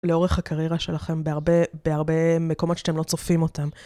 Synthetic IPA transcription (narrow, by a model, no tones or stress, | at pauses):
leo̞ʁeχhakaʁjeʁaʃe̞laχe̞mbeaʁbe̞b̥eaʁbe̞me̞ko̞mo̞tʃḁt̪emlo̞t͡sofimo̞tam